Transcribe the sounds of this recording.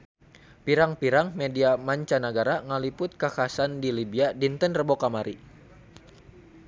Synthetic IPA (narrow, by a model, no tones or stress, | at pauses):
piɾaŋpiɾaŋmediamaɲt͡ʃanaɡaɾaŋəlipʊt̪̚kakasandilibiadint̪ənrəbokamaɾi